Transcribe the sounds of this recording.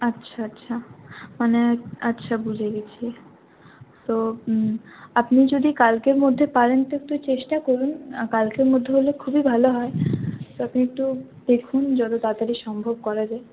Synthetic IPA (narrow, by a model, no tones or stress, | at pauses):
atːɕʰaatːɕʰamaneatːɕʰabud͡ʑʱeɡet͡ɕʰi | t̪o | apnid͡ʑod̪ikalkeɾmod̪ʱːepaɾent̪oek̚t̪ut͡ɕeʃʈakoɾunkalkeɾmod̪ʱːeɦolekʰubibʱaloɦɔet̪oapniek̚ʈu | d̪̥ekʰund͡ʑɔt̪ot̪at̪aɾiʃɔmbʱob̚kɔɾad͡ʑae